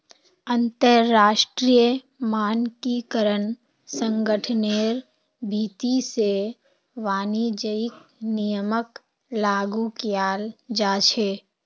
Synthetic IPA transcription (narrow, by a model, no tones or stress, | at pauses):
ə̃nt̪əɾːaːʃʈɾijə | maːnkikəɾən | sə̃ŋɡəʈʰneːɾ | bʱiːt̪ise | ʋaːnid͡ʒəɪk̚nijəmək | laːɡukjaːld͡ʒaːt͡ʃʰeː